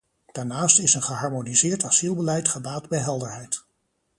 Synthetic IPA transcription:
d̥aːɹnaːstɪsənχəɦɑɹmonizɪːɹtɑzilˠbəlɛjtχəbaːdbɛjɦɛlˠdəɹɦɛjt

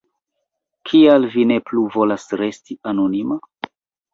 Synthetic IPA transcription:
kʰialvine̞pluvo̞lasɾe̞stianonima

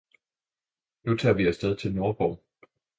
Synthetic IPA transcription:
nut͡sʰɑ̰̈ːʋiæsd̥eð̞ˠt͡sʰe̝lnoːb̥ɒʊ

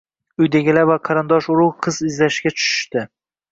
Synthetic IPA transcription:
ʊjd̪aɡʲɪlavaqʰɑɾɨnd̪ɒʃʊɾʊwqʰɨzɪzlaʃɡʲat͡ʃʰʊ̥ʃɪ̥ʃt̪ɪ

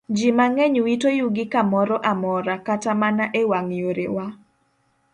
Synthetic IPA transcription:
d͡ʒimaŋɛɲwitojuɡɪkamɔɾɔʔamɔɾakatamanaʔewaŋjoɾewa

